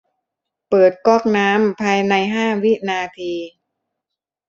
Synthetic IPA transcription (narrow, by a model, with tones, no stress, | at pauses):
pɤː˨˩t̪̚kɔː˥˩k̚naː˦˥mpʰaː˧jna˧jɦaː˥˩wi˦˥ʔnaː˧t̪ʰiː˧